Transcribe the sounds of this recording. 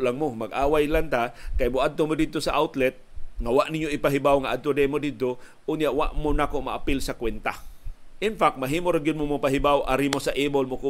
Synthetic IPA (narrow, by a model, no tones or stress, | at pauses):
laŋmomɐɡʔaːwajlant̪akajmʊʔad̪̚t̪omod̪ɪd̪̚t̪osaʔawt̪lɛt̪̚ŋawaʔnɪɲjoɪpaɦɪbawŋaʔad̪̚t̪od̪ɛmod̪ɪd̪̚t̪oʔʊnjaʔwaʔmonakoʔmaʔapɪlsɐkwɛnt̪aʔɪnfak̚t̪maɦiːmoɾaɡɪd̪̚momʊpaɦɪbawʔaɾimosaʔiːbolmokʊ